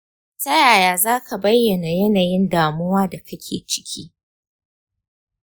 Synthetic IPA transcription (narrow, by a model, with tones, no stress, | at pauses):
tɐ˦jaː˨jaː˨zaː˦ka˨bɐ˦jːɐ˨na˨jɐ˦naː˨jɪ˦ndaː˨mʊ˦waː˦da˨kɐ˦kʲʰḛː˨t͡ʃɪ̥˦kʲʰḭː˦